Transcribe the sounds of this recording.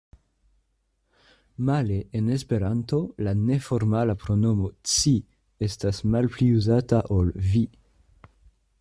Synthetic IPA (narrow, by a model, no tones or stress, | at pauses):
maleʔene̞spe̞ɾanto̞lane̞foɾmalapɾo̞no̞mo̞t͡si | e̞stasmalpliuzataʔolvi